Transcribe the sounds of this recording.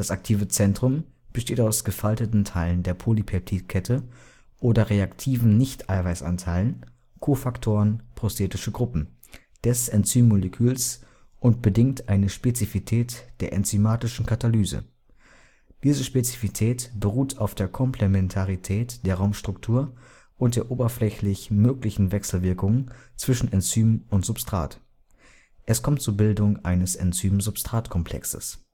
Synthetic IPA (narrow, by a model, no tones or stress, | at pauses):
d̥asak̚tʰiːvət͡sɛntʁ̥ʊm | b̥əʃteːtaʊsɡ̥əfaltətn̩tʰaɪləndeːɐpʰolipʰɛptʰiːtkʰɛtʰə | ʔoːdɐʁeaktʰiːvn̩nɪçtʔaɪvaɪsʔa̰ntʰaɪlən | kʰoːfaktʰoːʁənpʁ̥ostʰeːtɪʃəɡʁʊpm̩ | d̥ɛsʔɛnt͡syːmːoləkʰyːls | ʔʊntb̥ədɪŋtʔaɪnəʃpet͡sifitʰɛːtd̥eːɐʔɛ̰nt͡symaːtɪʃn̩kʰatalyːzə̰ | d̥iːzəʃpet͡si̥fitʰɛːtb̥əʁuːtʰaʊfd̥eːɐkʰɔmpʰlɛmɛntʰaʁitʰɛːtd̥eːɐʁaʊmʃtʁ̥ʊktʰuːɐ | ʔʊnt̚d̥eːɐʔoːbɐflɛçlɪçmøːklɪçn̩vɛksl̩vɪɐkʊŋənt͡sv̥ɪʃn̩ɛnt͡syːmʊntz̥ʊpstʁ̥a̰ːt | ʔɛskʰɔmtt͡suːɐbɪldʊŋʔa̰ɪnəsɛ̰nt͡syːmzʊpstʁ̥aːtkʰɔmpʰl̥ɛ̰ksə̰s